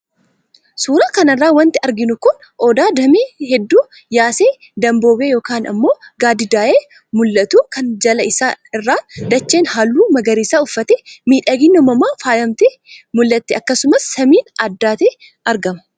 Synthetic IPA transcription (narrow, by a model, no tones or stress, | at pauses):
suːɾaːkɐnɐrːaːwɐnt̪ɪɐɾɡɪnʊkʊn | ʔɔd̪aːd̪ɐmeːhɛd̪ːuː | jaːseː | d̪ɐmbo̞ːbeːjo̞ːkaːnɐ̰mːo̞ːɡaːd̪ɪd̪aːʔeː | mʊlːɐt̪uːkɐnd͡ʒɐlɐɪsaːɪrːaːd̪ɐt͡ʃːeːnɦalːuːmɐɡɐɾiːsaːʊfːɐt̪ɛmiːᶑɐɡɪnːɔmɐmaːfaːjɐmt̪ɛ | mʊlːɐt̪ːɛɐkːɐsʊmɐsːɐmiːnɐd̪ːaːt̪eː | ʔɐɾɡɐmɐ̥